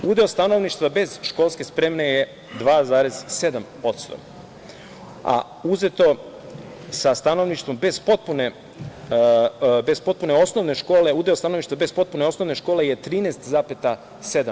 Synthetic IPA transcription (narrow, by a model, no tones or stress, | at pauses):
ud̪eost̪anoʋniʃt̪vʋabe̞z̥ʃkolˠske̞spɾeːmneje | d̪ʋaːzaːɾez̥se̞d̪am | o̞t̪st̪o̰ | a̰ | uze̞t̪o̞ | sast̪ano̞ʋniʃt̪ʋo̞mbe̞zpo̞t̪̚pune | be̞zpo̞t̪̚puneo̞sno̞ʋne̞ʃko̞ːle̞ud̪eost̪ano̞ʋniʃt̪ʋabe̞spot̪̚pune̞o̞sno̞ʋne̞ʃko̞ːle̞je̞t̪ɾiːnest̪zaːpet̪a | sed̪a